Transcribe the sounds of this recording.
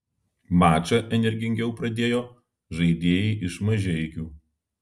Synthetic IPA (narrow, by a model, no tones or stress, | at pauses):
mɑːt͡ʃʲɐʔɛnʲɛɾʲɡʲɪŋʲɡʲɛʊpɾɐd̪ʲeːjoː | ʒɐɪd̪ʲeːjɛːʔɪʃmɐʒʲɛɪkʲuː